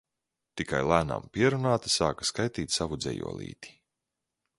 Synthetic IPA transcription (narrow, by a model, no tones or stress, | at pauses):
t̪ikajlˠæːna̰mpiɛɾunaːt̪i̥saːkḁskajt̪iːt̪ʲsavud̪zʲɛ̰jṵɔlˠḭːt̪i̥